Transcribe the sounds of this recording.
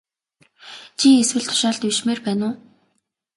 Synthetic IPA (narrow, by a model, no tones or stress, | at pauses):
t͡ɕʰieswɘ̆ɮt̪ʰʊ̥ʃaːɮt̪iʃmeːrpæːnʊː